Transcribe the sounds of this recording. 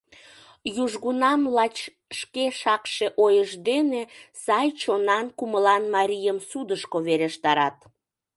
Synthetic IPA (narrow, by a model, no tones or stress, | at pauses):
juʒɣunɑmlɑt͡ɕ | ʃkeʃɑkʃeʔojəʒd̪enesɑjt͡ɕonɑnkuməlɑnmɑɾʲijəmsud̪əʃkoβeɾeʃt̪ɑɾɑt̪